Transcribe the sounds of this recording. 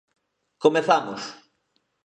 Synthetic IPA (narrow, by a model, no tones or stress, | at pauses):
komeθamʊs